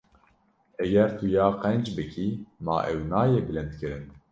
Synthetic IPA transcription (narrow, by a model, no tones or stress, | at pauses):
ɛɡɛɾt̪ʰujɑːqɛnd͡ʒbɨkʰimɑ̰ːʔɛwnɑːjeːbɨlɛnd̪kɨɾɨn